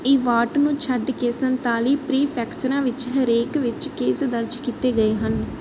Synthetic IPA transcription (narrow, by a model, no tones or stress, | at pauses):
iːʋaːʈnũːt͡ʃʰəɖkeːsənt̪aːliːpɾiːpʰɛːkt͡ʃəɾãːʋɪt͡ʃɦəɾeːkʋɪt͡ʃkeːsd̪əɾd͡ʒkiːt̪eːɡəeːɦən